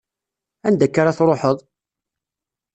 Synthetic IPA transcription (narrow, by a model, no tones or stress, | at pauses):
ænd̪ækːaɾaθɾˤoħəðˤ